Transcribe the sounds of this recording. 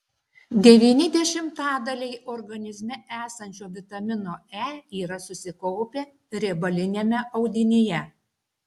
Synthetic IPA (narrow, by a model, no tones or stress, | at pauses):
d̪ʲɛʋʲiːnʲɪd̪ʲɛʃʲɪmt̪ɑːd̪ɐlʲɛɪʔoɾɡɐnʲɪzʲmʲɛæːsɐnʲt͡ʃʲoːʋʲɪt̪ɐmʲɪnoːæːiːɾɐsʊsʲɪkɔʊpʲe | ɾʲeːbɐlʲɪnʲeːmʲɛʔɐʊd̪ʲɪnʲeːjɛ